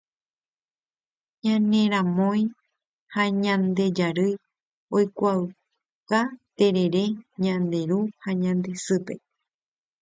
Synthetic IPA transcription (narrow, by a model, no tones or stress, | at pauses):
ɲãnẽɾãmõj̃ | haɲãnd̪e̞d͡ʒaɾɨj | ojkʷaɨ | kat̪e̞ɾe̞ɾe̞ɲãnd̪e̞ɾuhaɲãnd̪e̞sɨpe̞